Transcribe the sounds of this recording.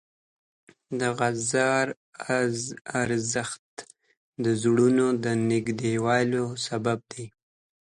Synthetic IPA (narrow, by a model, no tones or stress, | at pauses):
d̪əɣazɑɾ | aɾzəxt̪ | d̪əzɽunod̪ənɪɡd̪ewɑlosabab̚d̪e